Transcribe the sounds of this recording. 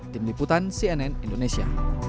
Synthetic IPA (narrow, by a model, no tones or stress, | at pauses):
t̪imliput̪ansiɛnɛnind̪onesia̰